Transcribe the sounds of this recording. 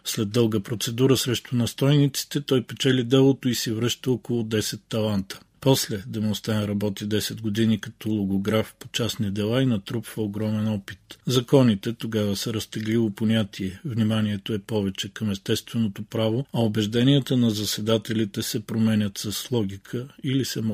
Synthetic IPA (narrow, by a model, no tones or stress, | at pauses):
slɛd̪ːɤlˠɡəpɾot̪sɛd̪uɾəsɾɛʃt̪ʊnɐst̪ɔjnit̪si̥t̪ɛt̪ɔjpɛt͡ʃɛlʲid̪ɛlˠot̪oisivɾɤʃt̪əɔkolˠod̪ɛsɛt̪ːɐlˠant̪ə̥ | pɔslɛd̪ɐmost̪ɛnɾɐbɔt̪id̪ɛsɛd̪ɡod̪inikɐt̪ɔlˠoɡoɡɾafpot͡ʃasnid̪ɛlˠainɐt̪ɾupvəoɡɾɔmɛnɔpit̪zɐkɔnit̪ɛt̪oɡavəsəɾɐst̪ɛɡlivoponʲat̪ʰiɛvnimaniɛt̪oɛpɔvɛt͡ʃɛkɐmɛst̪ɛst̪vɛnot̪opɾavoɐobɛʒd̪ɛnʲiɛt̪ənɐzɐsɛd̪at̪ɛlit̪ɛsɛpɾomɛnʲət̪sɐslˠɔɡʲikʰəilisɛm